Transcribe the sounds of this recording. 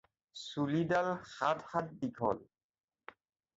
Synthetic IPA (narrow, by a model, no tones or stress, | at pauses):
sulidalxatxat̚bikʰɔ̰l